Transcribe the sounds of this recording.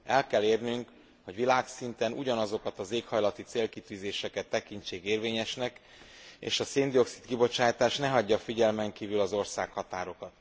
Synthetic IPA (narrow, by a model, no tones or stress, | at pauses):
ɛlkɛlːeːrnyŋk | ho̞ɟʋilaːksint̪ɛnuɟɒnɒzo̞kɒt̪ɒzeːkhɒjlɒt̪it̪seːlkit̪yːzeːʃɛkɛt̪ːɛkint͡ʃeːɡeːrveːɲɛʃnɛk | ḛːʃɒseːnd̪io̞ksi̥t̪kibo̞t͡ʃaːjt̪aːʃnɛɦɒɟːɒfiɟɛlmɛŋkiːvylɒzo̞rsaːkhɒt̪aːɾo̞kɒt̪